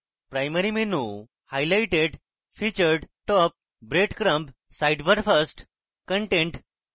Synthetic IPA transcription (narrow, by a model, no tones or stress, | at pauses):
pɾajməɾimenu | hajlajʈeɖ | fit͡ɕəɾɖʈɔp̚ | bɾeʈkɾə̃mp | sajɖʋəɾfəsʈ | kəɳʈẽɳʈ